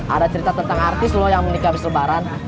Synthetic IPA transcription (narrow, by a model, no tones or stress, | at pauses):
ʔa̰dat͡ʃəɾit̪at̪ənt̪aŋart̪ɪslɔjaŋmənikabisləbaɾan